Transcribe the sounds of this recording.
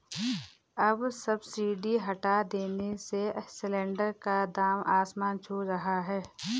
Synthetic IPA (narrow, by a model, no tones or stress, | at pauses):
ɐbsɐbsiːɖiɦɐʈad̪eːnesesɪlɛ̃ːɳɖəɾkad̪aːmʔaːsmaːnt͡ʃʰuːɾɐɦaɦɛː